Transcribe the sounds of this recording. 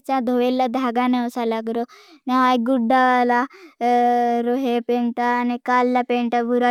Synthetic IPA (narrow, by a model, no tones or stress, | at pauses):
t͡ɕad̪ʱoʋelːad̪ʱaɡaneɔsalaɡɾomaʋajɡuɖala | ɾoɦepeɳʈaːnikalːapeɳʈabʱuɾa